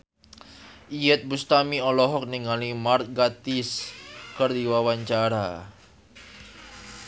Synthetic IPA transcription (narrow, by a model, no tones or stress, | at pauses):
ʔijɛt̪̚bust̪amiɔlɔɦɔk̚niŋalimart̪̚ɡat̪iskərd̪iwawaɲt͡ʃaɾa